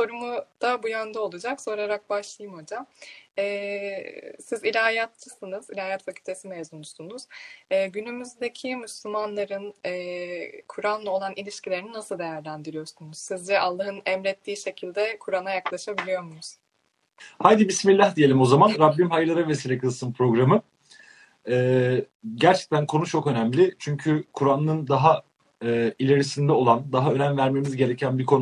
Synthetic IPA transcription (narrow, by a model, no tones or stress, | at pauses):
so̞ɾumud̪̥abujønd̪ɛo̞lˠud͡ʒakso̞ɾaɾak̚baʃlˠajɯmho̞d͡ʒamɛː | sizilʲaɦajat̪t͡ʃɯsɯnɯzilʲaːjat̪facʰylʲt̪ʰe̞simezunusunuz̥ɯːɟynymyzd̪e̞cʰimyslʲymanlˠaɾɯnɛkʰuɾanlˠɯo̞lˠanʔilʲiʃcʰilʲe̞ɾininasɯlˠd̪e̞jæɾlʲænd̪iɾijo̞ɾsunuz̥sizd͡ʒɛʔalˠːaɦɯnɛmɾɛt̪ʰːiːʃe̞cʰilʲd̪ɛkʰuɾanajaklˠaʃabilʲijo̞ɾmunuz̥ | hajd̪ibismilʲːahd̪ijeimo̞zamanɾabːimɦajɯɾlˠaɾave̞siːlʲɛkʰɯlˠsɯmpʰɾo̞ɡɾamɯ | ɛː | ɟæɾt͡ʃʰɛ̥c̚t̪ʰænkʰo̞nut͡ʃʰo̞kø̞næmlʲɪt͡ʃʰyɲcʰykʰuɾanːˠɯnd̪aɦa | ilʲe̞ɾisind̪ɛo̞lˠand̪aɦaø̞nænvæɾme̞mizɟe̞ɾecʰænbikʰo̞n